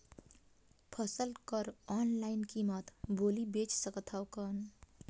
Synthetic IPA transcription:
pʰʌsəlkəɾɔnlaɪnkimət̪bolibet͡ʃsəkət̪ʰawkən

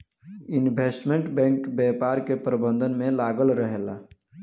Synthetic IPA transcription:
ɪnbʱeːsʈmẽɳʈbɛ̃ːŋkbɛːpaːɾkepɾəbə̃nd̪ʱənmẽlaːɡəlɾəɦeːla

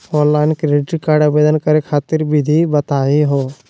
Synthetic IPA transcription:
ɔːnlaːɪnkɾeɖɪʈɾikaːɾɖabeːd̪ənkəɾekʰaːt̪ɪɾbɪd̪ʱibət̪aːiɦoː

